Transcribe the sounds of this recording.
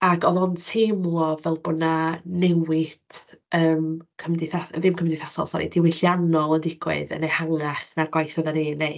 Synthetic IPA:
aɡɔðɔntʰemlˠɔvɛlˠbʊnanɛwɪd̥əːmkʰəmdɪθavɪmkʰəmdɪθasɔ̰lˠsa̰ɾḭd̥iwɪɬjanɔlˠəndɪɡ̥wɪ̰ðə̰nehaŋaɬnaɡwajθəðanenej

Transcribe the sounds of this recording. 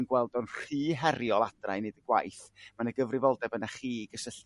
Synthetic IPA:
nɡwɛlˠdɔnr̥iːɦɛɾjɔlˠadra̰jnedəɡwa̰jθmanəɡəvrɪvɔlˠdɛbənaχiːɡəsəɬ

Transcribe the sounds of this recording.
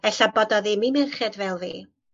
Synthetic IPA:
ɛɬabɔdɔðimimɪrχɛdvɛlˠviː

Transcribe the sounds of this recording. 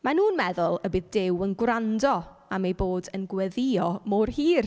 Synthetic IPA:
manuːnmɛðʊlˠəbɪðdɪwənɡwrandɔ | amejboːdənɡwɛðɪɔmoːrhiːr

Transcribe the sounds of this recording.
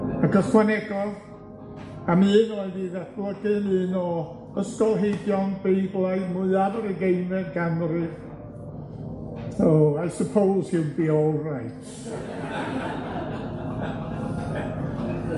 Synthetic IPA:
aɡəskwanɛɡɔð | amɨːnɔɨniːðadlˠəɡɨmɨːnɔ | əskɔlˠɦejbjɔnbejblˠajmʊɨavəɾəɡejmɛnɡamrɨv | oajsəpʰowlˠsɪbiɔrajtʰ

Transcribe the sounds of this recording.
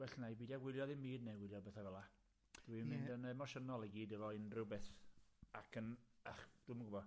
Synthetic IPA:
wɛɬnajbiːdaɡwɪlˠjɔðɪmiːdnewɪljɔbɛθavɛlˠa | d̥wimɪndənɛmɔʃənɔlˠɛɡiːdəvɔɪnrɪwbɪθakʰənaχd̥ʊmɡʊbɔ

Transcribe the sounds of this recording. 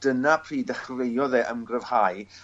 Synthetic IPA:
d̥ənapʰriːdəχrejɔðɛːʔəmɡrəv̥haj

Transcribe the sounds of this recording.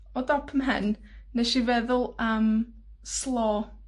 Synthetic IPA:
ɔdɔpʰəmɦə̰nː | eʃivɛðʊlˠəm | slˠɔː

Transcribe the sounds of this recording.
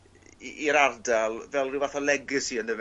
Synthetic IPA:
iɾardalˠvɛlˠriwvaθɔlɛɡɪɨsiːəndəv

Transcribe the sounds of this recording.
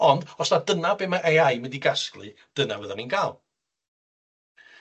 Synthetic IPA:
ɔndɔsnadənabemaʔeajməndiɡasklˠɨ̰ | d̥ənavəðaninɡʰaːlˠ

